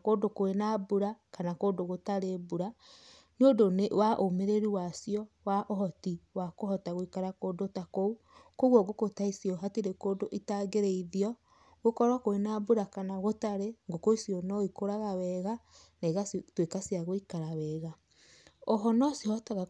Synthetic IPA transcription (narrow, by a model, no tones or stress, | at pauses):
koːdokoenabuɾakanakoːdoɣotaɾebuɾa | neodonewaʔomeɾeɾiwasiɔ | waʔoɦɔtiwakohɔtaɣoikaɾakoːdotakou | koɣwɔɡokotaisiɔɦatiɾekoːdoʔitaɡeɾeiðiɔ | ɣokɔɾwakoenabuɾakanaɣotaɾeŋɡokoisiɔnɔikoɾaɣawɛɣa | naiɣatwekasiaɣoikaɾawɛːɣa | ɔɦɔnɔsihɔtaɣa